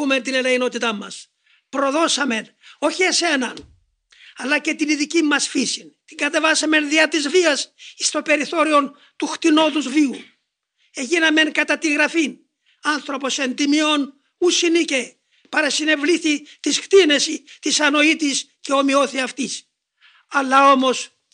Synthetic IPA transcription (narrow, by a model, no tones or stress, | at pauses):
ume̞nt̪inelɐino̞t̪it̪ɐmːɐs | pɾo̞ðo̞sɐme̞n | o̞çiese̞nɐn | ɐlːɐce̞t̪iniðicimːɐsfisint̪iŋɡɐt̪e̞vɐsɐme̞nðiɐt̪izviɐsist̪o̞pe̞ɾiθo̞ɾio̞n | t̪uxt̪ino̞ðuzviu | eʝinɐme̞ŋkɐt̪ɐt̪iɣɾɐfin | ɐnθɾo̞po̞se̞nd̪imio̞n | usinice̞ | pɐɾɐsine̞vliθit̪iskt̪ine̞sit̪isɐno̞it̪isce̞o̞mio̞θiɐft̪is | ɐlːɐo̞mo̞s